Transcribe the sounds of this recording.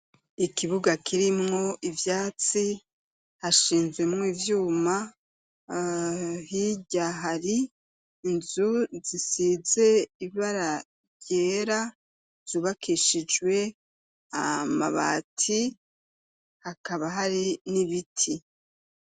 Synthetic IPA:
ikiβuɡakiɾimŋo̞ʔivjaːt͡si | haʃiːnzɡwe̞mŋiːvjuːma | hiɟaɦaɾiː | nzuzisize̞iβaɾa | ɟeɾa | z̥uːβakʰiʃid͡ʒwe̞ | a̰ma̰βa̰ːtʰi | hakaβaɦaɾiniβitʰi

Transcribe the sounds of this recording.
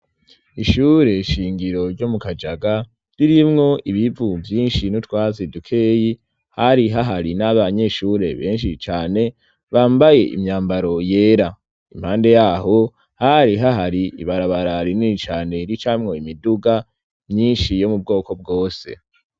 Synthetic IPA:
iʃuːɾe̞ʃiːŋɡiɾo̞ɾɟo̞mukad͡ʒaɡa | ɾiɾimŋo̞ʔiβivuvjiːnʃinutwaːzidukʰe̞ːji | haɾiɦaɦaɾinaβaɲe̞ʃuːɾḛβe̞ːnʃ̬it͡ʃaːne̞ | βaːmbaje̞ʔḭmɲaːmbaɾo̞je̞ːɾa | ḭm̥haːnde̞jaːho̞ | haɾiɦaɦaɾiḭβaɾaβaɾaɾiniit͡ʃaːne̞ɾit͡ʃamŋo̞imiduɡa | mɲiːnʃijo̞mub̚ɡo̞ːko̞b̚ɡo̞ːse̞̰

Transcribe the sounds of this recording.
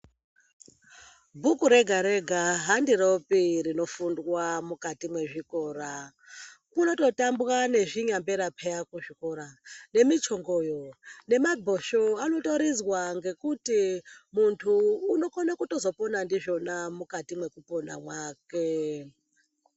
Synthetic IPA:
bʱukuɾe̞ɡʱaɾe̞ɡʱaɦandiɾo̞piɾino̞fundwamukatimwe̞ʐiko̞ːra | kuno̞to̞tambwane̞ʐiɲambeɾapʰejakuʐiko̞ɾane̞mit͡ʃoŋɡojone̞mabʱo̞ʃoano̞to̞ɾizwaŋɡe̞kutimuntʰuːno̞konokuto̞zo̞ponandiʐo̞namukatimwe̞kupona̰mwaːke

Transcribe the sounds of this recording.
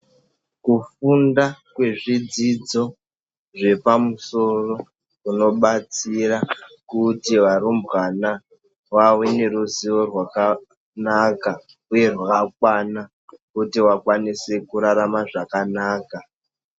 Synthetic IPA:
kufundakwe̞ʐid͡zid͡zo̞ | ʐe̞pamuso̞ro̞ | uno̞ɓat͡sirakutiʋaɾumbɣana | wawene̞ruziʋo̞rwaka | naka | uje̞rwak̚wana | kutiwakwanise̞kuɾaɾamaʐakanaːka

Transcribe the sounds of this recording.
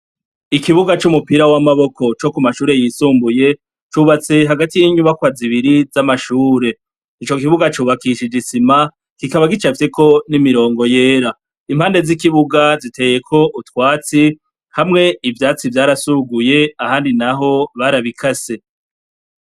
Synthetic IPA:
ikiβuɡat͡ʃumupiɾawamaβo̞kʰo̞t͡ʃo̞kumaʃuːɾe̞jiːsuːmbuje̞ | t͡ʃuβat͡se̞ɦaɡatijiɲuβakwaziβiɾizamaʃuːɾe̞ | it͡ʃo̞kiβuɡat͡ʃuːβakiʃed͡ʒisima | kikaβaɡit͡ʃafteko̞nimiɾo̞ːŋɡo̞je̞ːɾa | imhaːnde̞zikiβuɡazite̞ːje̞kʰo̞ʔutwaːt͡si | hamŋe̞ivjaːt͡sivjaːɾasuɡuje̞ahaːndinaɦo̞βaɾaβikʰase̞

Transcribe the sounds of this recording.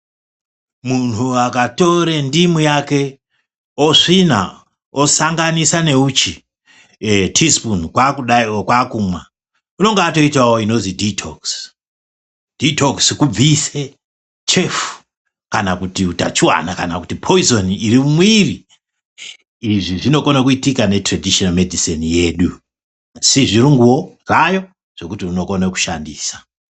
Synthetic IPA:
munuakato̞ɾe̞ndimwijake̞ | oʂina̰ | osaŋɡanisane̞ut͡ʃi | tʰispunkwakuakwakumwa | uno̞ŋɡeato̞itwawoino̞ziditʰo̰ks | d̥itokskub͡vise | t͡ʃe̞fu̥ | kanakutiuta̰t͡ʃuwa̰nakanakutipʰo̞izo̞niiɾimmwiri | iʐiʐino̞konekuitikane̞tradiʃonamedʱisinije̞ːɗu | siʐiɾuŋɡuwo̞rajo̞ | ʐ̥o̞kutiuno̞ko̞neku̥ʃandiːsḁ

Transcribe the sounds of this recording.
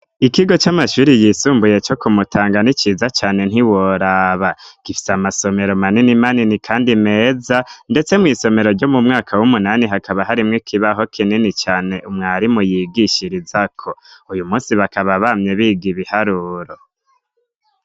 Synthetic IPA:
ikiɡo̞t͡ʃamaʃuːɾijiːsuːmbuje̞t͡ʃo̞kumutʰaːŋɡanit͡ʃiːzat͡ʃaːne̞n̥iwoɾaβaɡ̥ifi̥samaso̞me̞ɾo̞maninimaninikʰaːndime̞ːzande̞t͡se̞mŋiːso̞me̞ɾo̞ɾɟomumŋaːkʰawumunaniɦakaβaɦaɾimŋikʰiβaɦo̞kʰininit͡ʃaːne̞ʔumŋaːɾimujiɡiʃiɾizakʰo̞ujumuːnsiβakaβaβamɲe̞βiɡiβihaɾuːɾo

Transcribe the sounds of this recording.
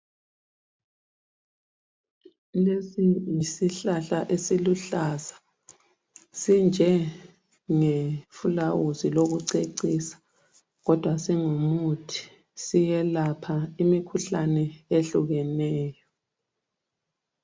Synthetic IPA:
lesijisiɬaɬaʔesiluɬaza | sind͡ʒʱɛ | ŋefulawuziloɣuǀeǀisḁ | ɣɔd̥ʱwasiŋumutʰi̥ | sijɛlapʰaimikʰuɬanɛeɬuɣɛnɛːjɔ

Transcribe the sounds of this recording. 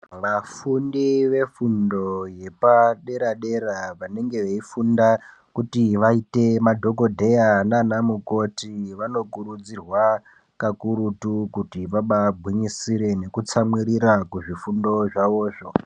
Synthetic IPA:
ʋafundiʋe̞fundo̞je̞paɗe̞ɾaɗe̞ɾaʋane̞ŋɡe̞ʋeifunda | kutiʋaite̞madʱo̞ko̞dʱe̞jananamuko̞tiʋano̞kuɾud͡zirwa | kakuɾutukutiʋaɓabʱwiɲisiɾe̞ne̞kut͡samwiɾiɾakuʐifundo̞ʐaʋo̞ːʐo̞

